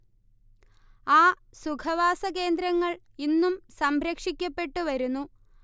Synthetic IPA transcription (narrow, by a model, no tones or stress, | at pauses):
aː | sukʰɐʋaːsɐke̞ːnd̪ɾɐŋːɐɭ | inːumsɐmbɾɐkʂikʲːɐpːeʈːuʋɐɾunːu